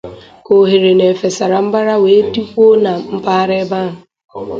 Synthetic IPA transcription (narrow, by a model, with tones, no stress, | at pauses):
ko˨ɦe˨ɾe˨ne˨fe˨sa˨ɾa˨m̩˦ba˦ɾa˦we˨e˦tu˦kʷo˦na˨m̩˦pa˦ɾe˦ba˦˨ɦʊ˨